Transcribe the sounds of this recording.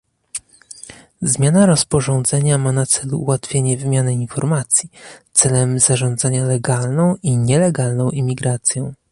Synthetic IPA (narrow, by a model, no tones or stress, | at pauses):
zmʲjanaɾɔspɔʐɔ̃nd̪zɛɲamanat̪sɛlṵːwat̪fʲjeɲɛvɘmʲjanɘinfɔɾmat̪sʲjit̪sɛlɛmzaʐɔ̃nd̪zaɲalɛɡalnɔ̃w̃ʔiɲɛlɛɡalnɔ̃w̃ʔimʲiɡɾat̪sʲjɔ̃w̃